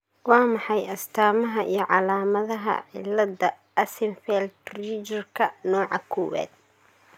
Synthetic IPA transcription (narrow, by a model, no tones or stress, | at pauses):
wɑːmɑħɑjɐst̪ʰaːmɐɦɐʔijɞʕɑlaːmɐðɐɦɐ̰ʕɪ̰lːɐdɐ | ɐsɪnfɛld̪rit͡ʃɐrkʰɐnɔːʕɑkʰɔːwɛ̰ːd̪̚